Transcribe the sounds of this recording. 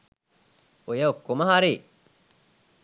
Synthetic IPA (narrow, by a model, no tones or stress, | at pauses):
ojɐkːomɐɦaɾeː